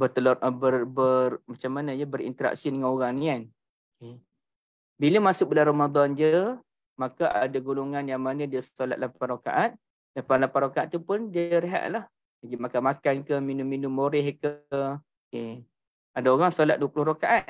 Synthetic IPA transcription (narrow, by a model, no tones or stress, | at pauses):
bət̪əlbərbərmat͡ʃamːanad͡ʒəbəɾḭnt̪əɾa̰ksidəŋãnoɣaŋnian | oke | biləmasʊk̚bəlanramad̪ɔnd͡ʒə | makaʔadaɡuluŋanjaŋmanadiəsola̰t̪̚lapanroka̰ʔat̪̚ | dlapanlapanɾokaat̪̚t̪upʊndiəɾeɦa̰ʔlah | aɡimakamakankəminʊmːinumːoɾɛhkə | ke | adaoɣaŋsolat̪̚duəpulʊɦrokaʔat̪̚